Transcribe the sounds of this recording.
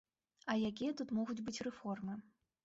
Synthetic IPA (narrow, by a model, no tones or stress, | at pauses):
ɐjakʲijɛt̪ut̪mɔɣud͡zʲbɨt͡sʲrɛfɔrmɨ